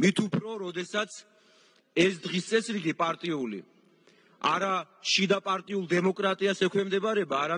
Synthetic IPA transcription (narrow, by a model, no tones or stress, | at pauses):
mit̪ʰupʰɾɔɾɔd̪ɛsat̪sʰ | ɛsd̪ʁist̪sʼɛsɾiɡipʼaɾt̪ʼiulḭ | a̰ɾa | ʃid̪apʼaɾt̪ʼiulˠd̪ɛmɔkʼɾat̪ʼiasɛkʰwɛmd̪ɛbaɾɛbaːɾa